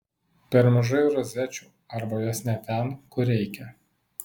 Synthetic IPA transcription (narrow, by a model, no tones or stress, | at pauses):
pʲɛɾmɐʒɐɪʊɾɔzʲæt͡ʃʲuː | ɐɾbɐjɔsnʲɛt̪ʲɛnkʊɾʲɛɪkʲɛ